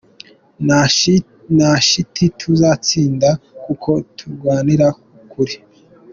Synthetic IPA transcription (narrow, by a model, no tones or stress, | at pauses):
naʃitʰitʰuzat͡siːndakukʰo̞tʰuɾɡwaːniɾakukʰuɾi